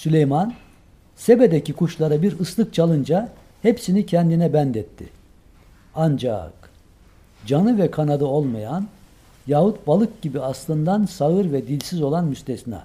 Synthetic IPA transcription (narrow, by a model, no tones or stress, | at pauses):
sylʲejman | sebed̪ecikʰuʃlˠaɾabiɾɯslˠɯk̚t͡ʃʰalˠɯnd͡ʒa | hepsinicʰɛnd̪inɛbænd̪ɛt̪ːɪ̰ | and͡ʒa̰k | d͡ʒanɯvɛkʰanad̪ɯo̞lˠmajan | jahut̪̚balˠɯk̚ɟibiaslˠɯnd̪ansaɣɯɾvɛd̪ilʲsizo̞lˠanmyst̪ʰesinɛ̰